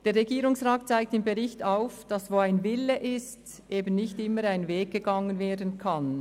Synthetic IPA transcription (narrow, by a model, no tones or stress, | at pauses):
d̥eːɾʁɛɡiːɾʊŋsʁaːt̚t͡saɪk̚tɪmbɛʁɪçtaʊfd̥ɑsvoːaɪnvɪlːəʔɪst | ʔeːbn̩ːɪçtɪmːəɾaɪnveːɡ̚ɡ̥əɡɑŋənveːɐdn̩kʰan